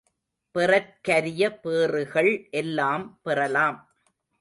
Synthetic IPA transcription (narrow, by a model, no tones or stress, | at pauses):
pɪrɐt̚kɐɾɪjɐpeːrɯɣɐɭʔɛlːaːmpɪrɐlaːm